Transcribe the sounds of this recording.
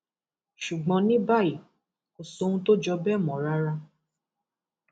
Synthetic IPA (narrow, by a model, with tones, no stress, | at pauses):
ʃu˨ɡ͡bɔ̃˨˧nĩ˦ba˦˨i˨ | o˨so˦ũ˦to˦d͡ʒɔ˧bɛ˦˨mɔ̃˨ɾa˦ɾa˧